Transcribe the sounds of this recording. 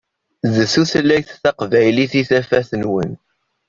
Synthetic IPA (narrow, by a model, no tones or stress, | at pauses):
zəθuθlːæjθθæqvæjliθiθæfæθənwə̰n